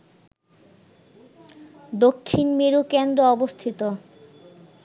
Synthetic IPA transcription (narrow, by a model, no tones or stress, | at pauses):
d̪okʰːinmeɾukend̪ɾoɔbost̪ʰit̪o